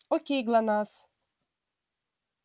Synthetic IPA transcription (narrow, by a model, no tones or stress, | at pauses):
ɔkʲeɡlanas